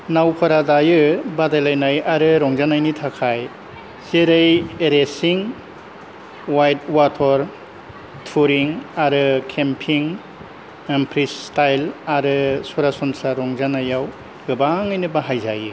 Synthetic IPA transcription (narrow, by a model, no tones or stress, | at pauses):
nawpʰaɾadajɯbadajlajnajaɾɯɾɔŋzanajnitʰakʰaj | zeɾɯjeɾesiŋ | wajt̚watʰɔɾ | tʰuɾiŋaɾɯkʰempʰiŋ | mpʰɾistajlaɾɯsuɾasɔnsaɾɔŋzanajaw | ɡɯbaŋɯjnɯbaɦajza̰jɯ